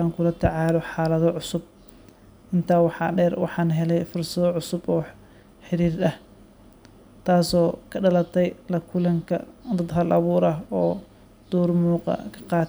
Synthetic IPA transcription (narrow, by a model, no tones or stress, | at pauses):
aːŋkʰʊlɐt̪ʰɐʕɑːlɔħɑːlɐðɔʕʊsʊb̚ | ʔɪnt̪ʰaːwɑħɑːɖɛːrwɑ̰ħɑːnɦɛlɛjfʊrsɐðɔʕʊsʊbɔːħ | ħɪɾiːrɐh | t̪ʰaːsɔːkʰɐɖɐlɐt̪ʰɛjlɐkʰʊlɐŋkʰɐ̰d̪ɐd̪ɦɐlʔɐβuːɾɐɦɔː | d̪̥ɔːrmuːqɑ̰kʰɐ̥qɑːt̪